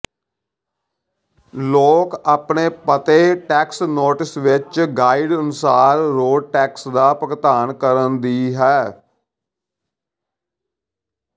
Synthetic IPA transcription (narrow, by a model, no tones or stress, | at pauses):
loːkaːpɳeːpət̪eːʈɛːksnoːʈɪsʋɪt͡ʃɡaːiɖənʊsaːɾːoːɖʈɛːksd̪aːpəkt̪aːnkəɾənd̪iːɦɛː